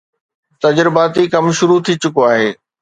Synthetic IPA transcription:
t̪ɐd͡ʑɾɪbaːt̪ikɐmʃʊɾut̪ʰit͡ɕʊkoaːɦeː

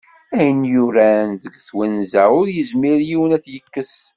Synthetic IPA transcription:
æjənjuɾænðəɡθwænzæʊɾjəzmiɾjiwənæθjəkːəs

